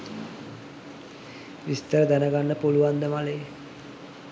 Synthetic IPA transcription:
ʋist̪əɾəd̪ænəɡanːəpuluʋand̪əmaleː

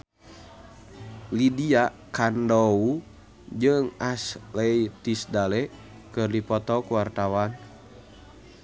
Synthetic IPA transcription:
lidiakandɔu | d͡ʒɨŋaslɛit̪isdalɛ | kɨrdipɔt̪ɔkuwart̪awan

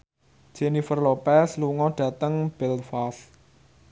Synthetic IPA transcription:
d͡ʒ̥enifərlopɛsluŋɔɖ̥ä̤t̪əŋb̥ɛlfas

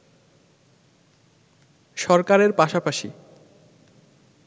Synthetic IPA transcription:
ʃɔɾkaɾeɾpaʃapaʃi

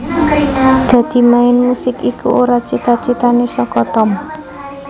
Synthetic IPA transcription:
d̪̥ä̤d̪̥i̤maɪnmusɪkikṵʔoɾat͡ʃit̪at͡ʃit̪anesɔkɔt̪ɔm

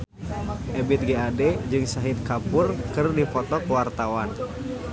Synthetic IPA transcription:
ʔɛbit̪̚ɡeadɛd͡ʒɨŋsaɦit̪̚kapʊrkɨrdifɔt̪ɔkəwart̪awan

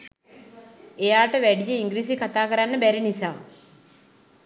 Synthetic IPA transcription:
ejaːʈəʋæɖijəiŋɡɾiːsikat̪aːkəɾanːəbæɾinisaː

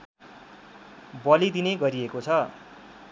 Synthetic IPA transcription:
bʌlid̪ineɡʌɾiekot͡sʰʌ

